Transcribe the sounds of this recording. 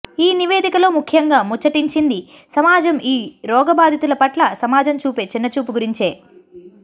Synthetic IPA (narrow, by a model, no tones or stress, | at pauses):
iːniʋeːd̪ikɐlo̞ːmukʰjɐŋɡaːmut͡ʃːɐʈiɲt͡ʃind̪isɐmaːd͡ʒɐmiːɾɔːɡɐbaːd̪ʱit̪ulɐpɐʈlɐsɐmaːd͡ʒɐmt͡ʃuːpeːt͡ʃinːɐt͡ʃuːpuɡuɾiɲt͡ʃeː